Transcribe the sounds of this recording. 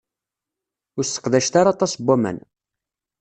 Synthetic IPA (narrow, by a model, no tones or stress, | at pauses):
ʊɾsə̥qðæʃt̪aɾat̪ˤɑsbæmæ̰n